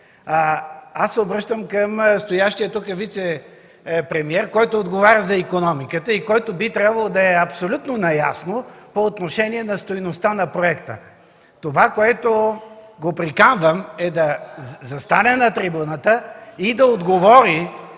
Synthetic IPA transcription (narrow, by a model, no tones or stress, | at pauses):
asːɛobɾɤʃt̪əmkəmst̪ojaʃt̪ijət̪ukəvit̪sɛ | pɾɛmiɛɾkɔjt̪oːd̪ɡovaɾʲəzɐikonɔmikət̪əikɔjt̪obit̪ɾʲabvɐlˠod̪ɐɛɐpsolʲut̪nonɐjasnopoːt̪noʃɛniɛnɐst̪ojnost̪anɐpɾoɛkt̪ə | t̪ovakoɛt̪oɡopɾikanvəmɛd̪ɐzɐst̪anɛnɐt̪ɾibunət̪əid̪ɐod̪ɡovɔɾi